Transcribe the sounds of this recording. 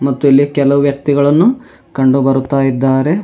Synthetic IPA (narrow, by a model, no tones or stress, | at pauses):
mɐt̪ːuilːikɛlɐʋuʋjɐk̚t̪iɡɐɭɐnːu | kɐɳɖubɐɾut̪ːaːjid̪ːaːɾe̞